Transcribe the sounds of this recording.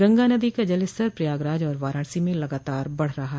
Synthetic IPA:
ɡɐ̃ŋɡanɐd̪ikad͡ʒɐlɪst̪əɾpɾjaːɡɾaːd͡ʒɔːɾʋaːɾaːɳ̃simẽlɐɡaːt̪aːɾbɐɽ̤ɾɐɦaɦ

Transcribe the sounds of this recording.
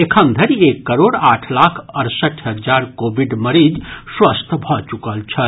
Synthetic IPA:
ekʰənd̪ʱəɾiekːəɾoɽaʈʰlakʰəɾsəʈʰɦəd͡ʒaɾkobʱiɖməɾid͡ʒswəst̪ʰbʱɔt͡ʃukəlt͡ʃʰə

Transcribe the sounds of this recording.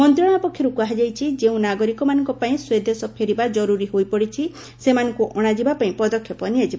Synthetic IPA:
mɔnt̪ɾɔɽ̃apɔkʰjɔɾukaɦad͡ʒajt͡ʃʰid͡ʒeũnaɡɔɾikɔmanɔ̃ŋkɔpaĩswed̪esɔpʰeɾibad͡ʒɔɾuɾiɦojpɔɽit͡ʃʰi | semanɔŋkuʔɔɽ̃ad͡ʒibapaĩpɔd̪ɔkʰjɔpɔniad͡ʒiba

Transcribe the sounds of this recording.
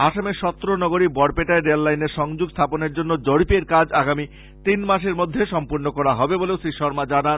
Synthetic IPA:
aʃameʃɔt̪ːɾonɔɡoɾibɔɽpeʈaeɖelːajneɾʃɔŋd͡ʑuɡst̪ʰaponeɾd͡ʑonːod͡ʑoɽipeɾkad͡ʑaɡami | t̪inmaʃeɾmod̪ʱːeʃɔmpuɾnokɔɾaɦɔbeboleosɾiʃɔɾmad͡ʑanan

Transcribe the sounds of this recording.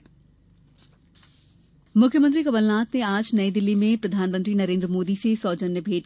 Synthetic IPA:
mʊkʰjəmə̃nt̪ɾikɐbəlnaːt̪nẽaːd͡ʒnɐid̪ɪlːimẽpɾɐd̪ʱaːnmə̃nt̪ɾinɐɾẽːnd̪ɾəmoːd̪isesɔːd͡ʒənjəbʱeːt̪

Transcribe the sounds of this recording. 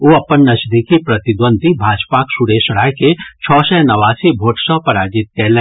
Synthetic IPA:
oɐpənnɐʃd̪ʱikipɾɐt̪ɪd̪wə̃nd̪ʱibʱaːd͡ʒpaksuɾeːʃɽaːjket͡ʃʰɔːsɛnɐʋaːsibʱoːʈsəpɐɾaːd͡ʒɪt̪̚kɛːlẽː

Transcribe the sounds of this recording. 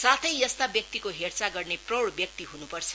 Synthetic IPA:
sat̪ʰʌjjʌst̪abjʌk̚t̪ikoɦert͡saɡʌrneprʌwɽbjʌk̚t̪iɦunupʌrt͡sʰʌ̥

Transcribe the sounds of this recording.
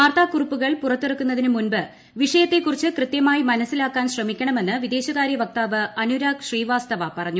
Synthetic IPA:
aːrt̪aːkːurupːuɣɐɭpurɐt̪ːirɐkːunːɐðinumunbɨ | ʋiʂɐjɐt̪ːe̞kːurit͡ɕːɨkrɨt̪jɐmaːjimɐnɐsːilaːkːaːnɕrɐmikʲːɐɳɐme̞nːɨʋid̪e̞ːɕɐɣaːɾjɐʋɐk̚t̪aːʋɨɐnuɾaːkɕriːʋaːst̪ɐʋɐpɐrɐɲːu

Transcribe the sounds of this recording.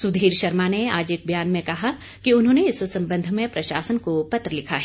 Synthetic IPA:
sʊd̪ʱiːɾʃɐɾmaneaːd͡ʒeːk̚bʱjaːnmẽkɐɦa | kiʊnɦõːneɪssɐ̃mbə̃nd̪ʱmẽpɾɐʃaːsənkopɐt̪ɾəlɪkʰaɦɛː

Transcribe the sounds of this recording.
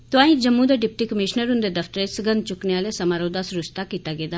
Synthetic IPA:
t̪ʊãːĩd͡ʒəmːũd̪eɖɪp̚ʈiːkəmɪʃnəɾʊ̃nd̪eːd̪əft̪əɾesəɡə̃nd̪t͡ʃʊkneaːlesəmaːɾoːd̪asɾʊst̪aːkiːt̪aɡeːd̪aː

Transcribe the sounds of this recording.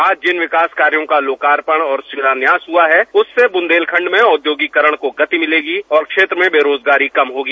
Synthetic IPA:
aːd͡ʒd͡ʒɪnʋɪkaːskaːɾjõkaloːkaːɾpəɽ̃ɔːɾsɪɾaːnjaːsɦuaɦɛʊsːebʊ̃nd̪eːlkʰɐ̃ɳɖmẽʊd̪joːɡikəɾəɽ̃koɡɐt̪imɪleːɡiɔːɾkʃeːt̪ɾəmẽbeːɾoːd͡ʒɡaːɾikɐmɦoːɡiː

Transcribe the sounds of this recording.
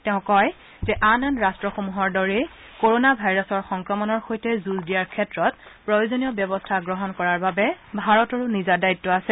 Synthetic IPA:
tɛʊ̃kɔj | zɛʔananɹastɹɔxomuɦɔɹdɔɹe | koɹonabʱajɹɔsɔɹxɔŋkɹɔmɔnɔɹxojtɛzuzdijaɹkʰɛtɹɔt̚pɹojozonijɔbjɔbɔstʰaɡɹɔɦɔnkɔɹaɹbabɛbʱaɹɔtɔɹunizadajtːɔasɛ

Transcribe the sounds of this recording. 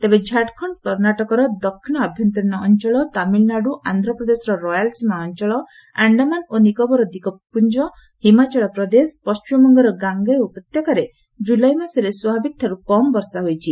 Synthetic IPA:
t̪ebed͡ʒʱaʈkʰɔɳkɔɾnaʈɔkɔɾɔd̪ɔkʰːinɔabʱjɔnt̪ɔɾinɔːnt͡ʃɔɭɔt̪amilnaɖuʔand̪ʱɾɔpɾɔd̪esɔɾɔɾɔjalsmaɔnt͡ʃɔɭɔ | aɳɖamanonikɔbɔɾɔd̪ikɔpund͡ʒɔ | himat͡ʃɔɭɔpɾɔd̪espɔst͡ʃimɔŋɡɔɾɔɡaŋɡajupɔt̪jɔkaɾe | d͡ʒulajmaseɾeswɔbʱabik̚t̪ʰaɾukɔmbɔɾsaɦojt͡ʃʰi

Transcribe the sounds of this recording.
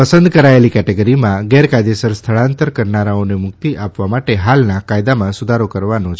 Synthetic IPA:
pəsə̃nd̪kəɾaelikɛʈeɡəɾimãɡɛɾkajd̪esəɾst̪ʰəɭãnt̪əɾkəɾnaɾaonemʊk̚t̪iʔapʋamaʈeɦalnakajd̪amãsud̪ʱaɾokəɾʋanõt͡ʃʰ

